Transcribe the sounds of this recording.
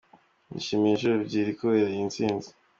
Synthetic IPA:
nḭʃimiʒubɟiːɾikuweɾajint͡siːnzi̥

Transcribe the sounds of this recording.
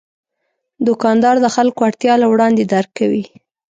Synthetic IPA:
d̪ʊkɑnd̪ɑɾd̪əxalkoaɽt̪jɑlawɽɑnd̪ed̪aɾɡkːawi

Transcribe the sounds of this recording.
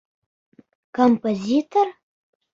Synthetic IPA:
kʰompʰʼozitʰor

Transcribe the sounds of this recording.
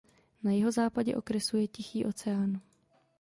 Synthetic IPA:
najɪɦo̞zaːpaɟɛʔo̞kɾɛsujɛcɪxiːʔo̞t͡sɛaːn

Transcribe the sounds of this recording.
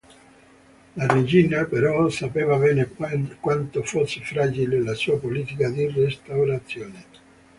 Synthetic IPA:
lared͡ʒinapeɾɔsapeːvabɛːnekwant̪ofosːefɾaːd͡ʒilelasuːapoliːt̪ikad̪irest̪awɾat̪sːjɔːne

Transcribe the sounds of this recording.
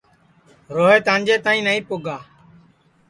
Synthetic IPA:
ɾoːɦeːt̪ãːnd͡ʒeːt̪aːĩːnəĩːpʊɡaː

